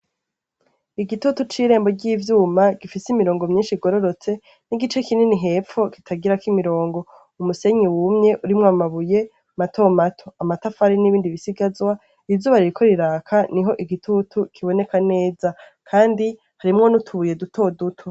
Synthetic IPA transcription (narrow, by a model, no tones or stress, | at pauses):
iɡitutut͡ʃiːɾe̞ːmbo̞ɾɟiːvjuːmaɡifisimiɾo̞ːŋɡomɲiːnʃiɡo̞ɾoɾo̞t͡se̞ | niɡit͡ʃe̞kininiɦe̞ːfo̞ki̥tʰaɡiɾakimiɾo̞ːŋɡo̞ | umuse̞ɲiwumɲe̞ʔuɾimŋoamaβuje̞ | matʰo̞matʰoamatafaɾiniβiːndiβisiɡazwa | ivzuːβaɾiɾikʰo̞ɾiɾaːkʰaniɦo̞ʔiɡitʰutʰukʰiβo̞ne̞kane̞ːza | kʰaːndi | haɾimŋo̞nutʰuβuje̞dutʰo̞dutʰu